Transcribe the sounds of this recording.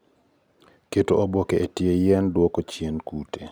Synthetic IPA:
ketoobokeʔetjejɛndwɔkot͡ʃjenkutʰe

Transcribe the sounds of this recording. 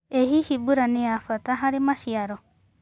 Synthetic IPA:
eɦihibuɾanɛafat̪aɦaɾɛmasiaɾɔ

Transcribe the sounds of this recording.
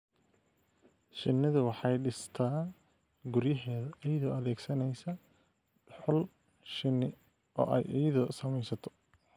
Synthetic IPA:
ʃɪnːɪðʊwɑħɑjɖɪst̪ʰaː | ɡʊɾjɪɦɛːðɐʔɪjɐðɔːɐðɛːɡsɐnɛjsɐ | ħʊl | ʃɪnɪ | ʔɔ̰ːʔɛ̰jʔijɐðɔːsɐmɛjsɐt̪ʰɔ̥

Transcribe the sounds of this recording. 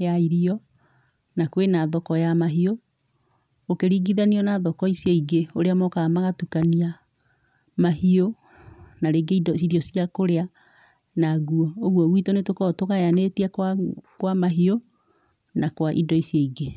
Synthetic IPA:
jaiɾiɔ | nakwenaðɔkɔjamaɦio | okeɾiɡiðaniɔnaðɔkɔisiɔiɡeoɾeamɔkamaɣatukania | mahio | naɾeɡeidɔsiɾiɔsiakoɾea | naɣuɔoɣwɔwitonetokɔtoɣajanetiakwakwamaɦio | nakwaʔḭdɔisjɔiɡe

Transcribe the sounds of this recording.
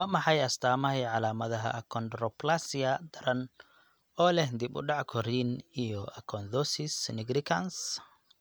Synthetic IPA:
mɐmɑħɑjɐst̪ʰaːmɐhɛjʕɑlaːmɐðɐɦɐ̰ɐkʰɔnd̪ɾɔplasijɐd̪ɐɾɐn | ɔːlɛhd̪ibʊ̰ɖɑʕkʰɔɾinijɔʔɐkʰɔnd̪ɔsɪsnɪɡɾɪkʰɐns

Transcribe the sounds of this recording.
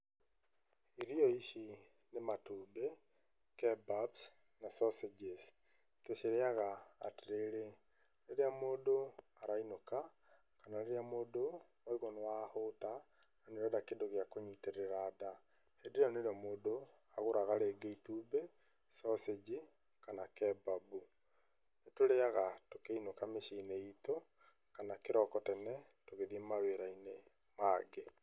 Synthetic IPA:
iɾiɔiʃi | nematuːbe | kɛbabs | nasɔsed͡ʒes | teʃeɾeaɣa̰ːteɾeɾe | ɾeɾeamoːdo | aɾainoka | kanaɾeɾeamoːdo | aiɣonewahota | naneoɾeadakendoɣeakoɲiteɾeɾaːda | hendeɾeaneoɾeamoːdo | aɣoɾaɣaɾeːɡeitube | sɔsed͡ʒi | kanakɛbabu | netoɾeaɣatokeinokameʃineito | kanakeɾɔkɔtɛnɛ | toɣeðiemaweɾaine | maɡe

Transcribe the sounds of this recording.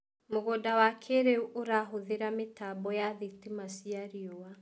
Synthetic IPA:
moɣodawakʰeɾeuʔoɾaɦoðeɾametabɔjaðitimasiaɾiowa

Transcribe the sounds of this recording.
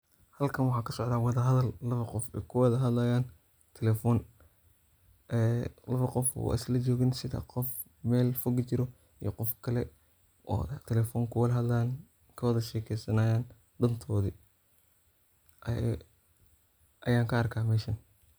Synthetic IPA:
hɐlkʰɐnwɑħɑːkʰɐsɔʕd̪aːwɑðɐɦɐðɐlːɐβɐqɔfɛkʰʊwɑðɐɦɐd̪lɐjaːn | t̪ʰɛlɛːfɔːn | ʔɛːlɐβɐqɔfɔ̰ʔɐ̰slɐt͡ʃɔːɣɪnsɪðɐ̰qɔf | mɛːlfɔɡt͡ʃɪɾɔ | ijɞqɔfkʰɐlɛ | ʔɔ̰ːt̪ʰɛlɛːfɔːŋkʰʊwɐðɐɦɐd̪laːn | kʰɐwɑðɐʃɛːkʰɛjsɐnaːjaːn | d̪ɐnt̪ʰɔːði | ʔɐjaːŋkʰɐɐrkʰaːmɛːʃɐn

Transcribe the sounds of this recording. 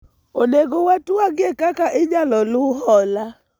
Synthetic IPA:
oneɡowatuaɡɪekakaʔɪɲalɔlʊɦɔla

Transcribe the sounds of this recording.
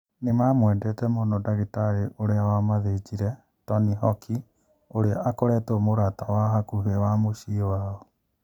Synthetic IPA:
nemamwɛndɛtɛmonɔdaɣitaɾeʔoɾeawamaðed͡ʒiɾɛ | tɔniɦɔkʰi | oɾeaʔakoɾɛtomoɾatawaɦakuɦewamoʃiɔwaːɔ

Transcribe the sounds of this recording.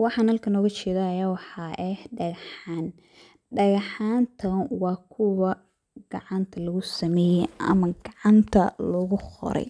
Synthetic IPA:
wɑħɑːnhɐlkʰɐnɔːɣɐt͡ʃɛːðaːjaːwɑħɑːʔɛhɖɐɣħaːn | ɖɐɣɑħaːnt̪ʰɐnwɑːkʰʊwɐ | ɡ̥ɑʕɑnt̪ʰɐlɐɣʊsɐmɛːjɛjʔɐ̰mɐɡɑʕɑnt̪ʰɐlɐɣʊqɔ̰ɾɛ̰j

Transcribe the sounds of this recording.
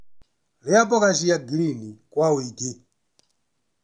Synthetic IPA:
lijapɔkaʃijaɡilinikwawiːti

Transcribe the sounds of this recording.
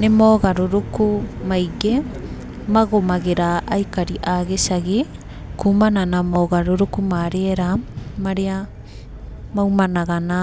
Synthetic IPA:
nemɔːɣaɾoɾokumaiɣe | maɣomaɣeɾaʔaikaɾiʔaɣesaɣe | kuːmananamɔːɣaɾoɾokumaɾeɛɾamaɾea | maumanaɣana

